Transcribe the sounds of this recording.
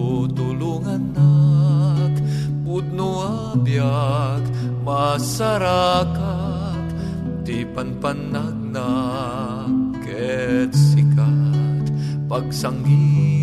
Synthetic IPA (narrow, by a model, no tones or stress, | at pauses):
t̪uluŋanːa | k | but̪̚nua | bjak | mɐsaɾaka | t̪ | d̪ipɐnpɐnːaɡ̚na | kɛt̪sikat̪ | pɐɡsaŋɡi